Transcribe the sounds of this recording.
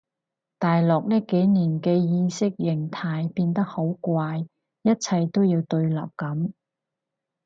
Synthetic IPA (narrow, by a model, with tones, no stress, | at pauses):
t̪aː˨jlɔː˨k̚nɛː˥ke˨˥jniː˨˩nkɛː˧jiː˧sɪ˥k̚jɪ˨˩ŋt̪ʰaː˧jpiː˧nt̪̬ɐ˥k̚ho˨˥wkʷaː˧j | jɐ˥t̚t͡sʰɐ˧jt̪o˥wjiː˧wt̪ɵ˧ɥla̰ː˨˩p̚kɐ˨˥m